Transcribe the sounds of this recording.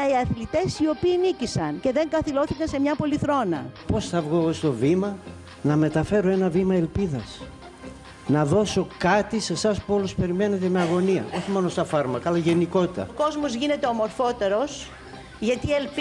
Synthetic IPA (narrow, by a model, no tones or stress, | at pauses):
iɐθlit̪e̞sio̞piːnicisɐnce̞ðe̞ŋɡɐθilo̞θikɐnse̞mɲɐpo̞liθɾo̞nɐ̰po̞sθɐvɣo̞st̪o̞vimɐ | nɐme̞t̪ɐfe̞ɾo̞e̞nɐvimɐe̞lpiðɐs | nɐðo̞so̞kɐt̪ise̞sɐspuo̞luspe̞ɾime̞ne̞t̪̬e̞meɐɣo̞niɐ̰ʔo̞çimo̞nost̪ɐfɐɾmɐkɐɐlɐʝe̞niko̞t̪it̪ɐ̰ko̞zmozʝine̞t̪e̞omo̞ɾfo̞t̪e̞ɾo̞s | ʝɐt̪ielp